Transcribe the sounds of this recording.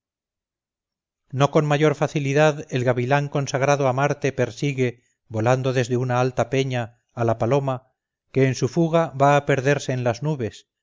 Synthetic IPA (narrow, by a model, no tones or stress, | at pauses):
no̞konmaʝo̞ɾfaθiliðaðe̞lɣaβilaŋko̞nsaɣɾaðoamaɾt̪e̞pe̞ɾsiɣe̞ | βo̞land̪o̞ðe̞zðe̞unaalt̪ape̞ɲaː | lapalo̞ma | ke̞ːnsufuɣaβaːpe̞ɾðe̞ɾse̞ːnlaznuβe̞s